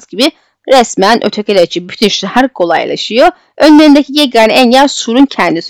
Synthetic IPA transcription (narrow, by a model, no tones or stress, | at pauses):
zɟibi | ɾɛsmænʔøt̪ʰecʰelʲet͡ʃʰibyt̪ʰynʃlɛhæɾkʰo̞lˠa̰jlˠa̰ʃɯjo | ø̞nlʲeɾind̪ecʰijeɡanænjæɾsuɾuncʰɛnd̪is